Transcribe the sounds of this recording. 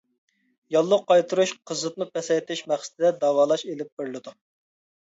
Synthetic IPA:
jɑlˠːʊqːɑjt̪ʰuɾuʃqʰəzɨt̪̚nɨpɛsɛjt̪ʰɪʃmæχsɪt̪ʰɪd̪ɛd̪ɑːwɑːlˠɑʃelɪp̚bɪɾlˠɨd̪u

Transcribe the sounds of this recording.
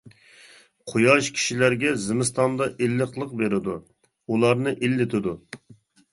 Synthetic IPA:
qʰojɑʃkʲʰi̥ʃilæɾɡʲɛzɪmɪst̪ɑnd̪ɑʔelːəqlˠəq̚beɾɪd̪u | ulˠɑɾnɨʔilːɪt̪ʰɪd̪u

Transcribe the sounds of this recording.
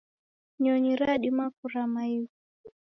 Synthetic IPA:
ɲɔɲiɾaɗimakuɾamaiu

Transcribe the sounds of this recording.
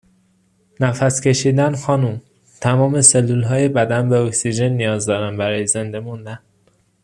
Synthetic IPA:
næfæscʰe̞ʃiːd̪ænxɒːnum | t̪ʰæmɒːme̞se̞lːulɦɒːje̞bæd̪ænbe̞oksid͡ʒe̞nːijɒːzd̪ɒːɾænbæɾɒːjeze̞nd̪e̞mund̪æn

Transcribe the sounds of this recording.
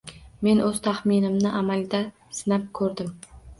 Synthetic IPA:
me̞nɵz̥t̪ʰaχminɪmnɪʔamald̪ʲa | sɪnap̚kʰɵɾd̪ɪm

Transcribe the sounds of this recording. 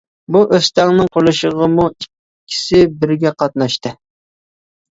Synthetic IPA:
buʔøst̪ɛŋnɨŋqʰoɾlˠɨʃəʁəmuiː | ɪ̥sɪbɪɾɡʲɛqɑt̪̚nɑʃt̪ɨ

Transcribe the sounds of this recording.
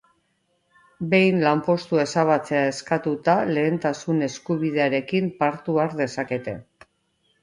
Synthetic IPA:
be̞jnlampo̞st̪ue̞saβ̞at͡se̞ae̞skat̪ut̪ale̞ːnt̪asune̞skuβ̞iðe̞aɾe̞kimpaɾt̪uaɾðe̞sake̞t̪e̞̰

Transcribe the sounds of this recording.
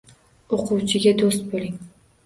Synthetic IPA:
oqʰuwt͡ʃʰɪɡʲad̪ost̪̚bøliŋ

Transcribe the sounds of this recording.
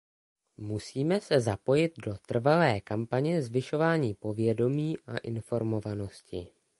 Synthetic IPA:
musiːmɛsɛzapo̞jɪd̪̚do̞t̪r̩valɛːkampaɲɛzvɪʃo̞vaːɲiːpo̞vjɛdo̞miːʔa̰ʔɪnfo̞ɾmo̞vano̞scɪ̰

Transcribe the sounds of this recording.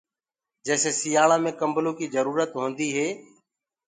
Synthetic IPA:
d͡ʒɛːseːsɪjaːɭãːmẽːkəmbəlõːkiːzəɾuːɾət̪ɦõːnd̪iːɦeː

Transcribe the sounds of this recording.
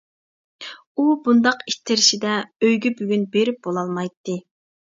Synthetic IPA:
ubund̪ɑqit̪ʰːɪɾɪʃid̪ɛøjɡʲɛbyɡʲynbeɾɪp̚bolˠɑlˠmɑjt̪ʰːɨ

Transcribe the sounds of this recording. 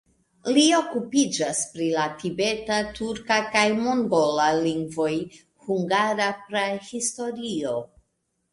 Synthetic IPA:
lio̞kupid͡ʒaspɾilatibe̞tatuɾkakajmoŋɡo̞laliŋɡvo̞j | huŋɡaɾapɾehisto̞ɾio̞

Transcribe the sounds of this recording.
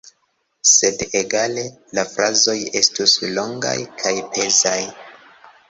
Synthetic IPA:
se̞deɡale̞ | lafɾazo̞je̞̰stuslo̞ŋɡa̰jkʰajpe̞zaj

